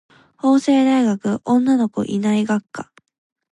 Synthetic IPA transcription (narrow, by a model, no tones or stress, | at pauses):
ho̞ːse̞ːd̪aiɡakɯ̟ʔõ̞nːano̞ko̰ʔinaiɡakːa̰